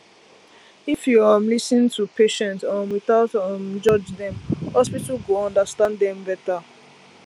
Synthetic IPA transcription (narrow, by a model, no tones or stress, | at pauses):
ifjuamlisnĩŋtʰupʰeʃɛ̃ntãnwiθaʊtamd͡ʒɔd͡ʒdɛ̃mhɔspitalɡoɔ̃ndəstãndɛ̃mbɛta